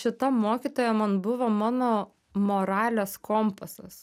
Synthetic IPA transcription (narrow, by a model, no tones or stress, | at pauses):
ʃʲɪt̪ɐmoːkʲiːt̪oːjɛmɐnbʊʋɐmɑːnoː | moːɾɑːlʲɛːskomposɐ̰s